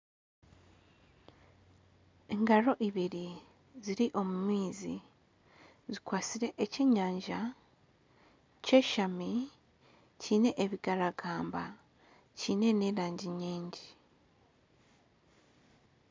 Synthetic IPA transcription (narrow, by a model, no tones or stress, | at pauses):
e̞ŋɡaɾo̞ʔiβiɾi | ziɾiʔo̞mumiːzi | zikwaːsiɾe̞ʔeceːɲaːɲʒa | ce̞ːʃami | ciːne̞ʔeβiɡaɾaɡaːmba | ciːne̞neɾaːɲɟiɲiːɲɟi